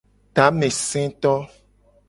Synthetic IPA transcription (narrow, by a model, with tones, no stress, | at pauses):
t̪a˨˦mẽ˨sɛ̃˦t̪ɔ˦